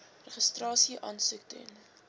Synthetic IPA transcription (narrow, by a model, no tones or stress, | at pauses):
rəχəstrɑːsiʔɑːnsʉktɛ̰n